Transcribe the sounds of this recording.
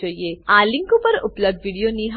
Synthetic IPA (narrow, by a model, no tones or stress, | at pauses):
əijealĩŋkupəɾṵpləb̚d̪ʋiɽijoniɦ